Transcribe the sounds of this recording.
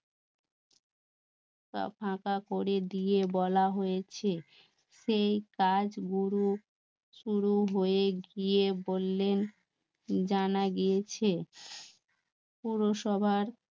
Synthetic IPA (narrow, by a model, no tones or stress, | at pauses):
ka̰pʰãkakoɾed̪ijebɔlaɦojet͡ɕʰe | ʃejkad͡ʑɡuɾu | ʃuɾuɦoeɡijebolːen | d͡ʑanaɡijet͡ɕʰe | puɾoʃɔbʱaɾ